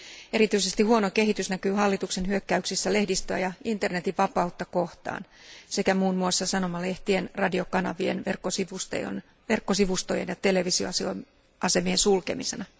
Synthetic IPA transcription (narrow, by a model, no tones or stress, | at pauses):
e̞ɾit̪yise̞st̪ihuonoke̞ɦit̪ysnækyːɦɑlːit̪ukse̞nhyøkːæyksisːæle̞hdist̪øæ̰jɑint̪e̞rne̞t̪iʋʋɑpɑut̪ːɑko̞ht̪ɑ̰ːn | se̞kæmuːnmuosːɑsɑno̞mɑle̞ht̪ienrɑdio̞kɑnɑ̰ʋie̞̰nʋerkːosiʋust̪ḛjo̰n | ʋe̞rkːosiʋust̪ojḛnjɑt̪e̞le̞ʋisio̰so | ʔɑse̞miensulke̞misenɑ